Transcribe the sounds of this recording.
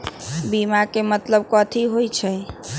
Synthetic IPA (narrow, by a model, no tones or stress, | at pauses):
bimakemət̪ləb̚kɔt̪ʰiɦojt͡ʃʰɛ